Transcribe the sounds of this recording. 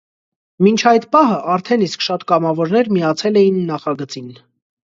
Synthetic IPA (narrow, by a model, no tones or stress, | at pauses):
mint͡ʃʰɑjt̪pɑɦəʔɑɾt̪ʰɛniskʃɑt̪kɑmɑvɔɾnɛɾmijɑt͡sʰɛlɛjinːɑχɑɡət͡sin